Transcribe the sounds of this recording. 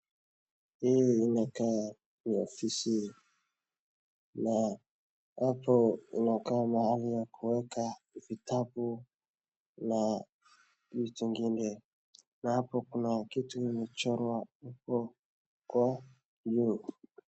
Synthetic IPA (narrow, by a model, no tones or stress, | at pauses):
ijiinaka | miofisi | na | apʰɔḭnakamahalijakʰuwɛkavitabu | na | jituŋɡindɛ | naapɔkunakituinit͡ʃɔɾwaupɔ | kwa | d͡ʒu